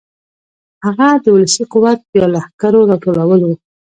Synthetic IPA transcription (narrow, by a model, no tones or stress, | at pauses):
haɣad̪əwʊləsiqʊwat̪̚bəjɑlahkaɾoɾɑʈolawəlwu